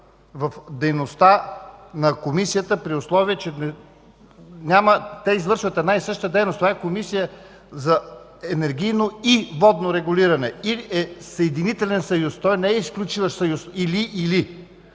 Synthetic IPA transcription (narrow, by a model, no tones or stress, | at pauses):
vɐfd̪ɛjnost̪anɐkomisijət̪əpɾiʊslˠɔviət͡ʃɛnɛ | nʲamət̪ɛizvɤɾʃvət̪ɛd̪naisɤʃt̪əd̪ɛjnost̪ovaɛkomisijə | zɐ | ɛnɛɾɡʲijnoivɔd̪noɾɛɡʊliɾɐnɛiɛsɐɛd̪init̪ɛlɛnsɐjust̪ɔjnɛɛisklʲut͡ʃivəʃsɐjusiliʔːli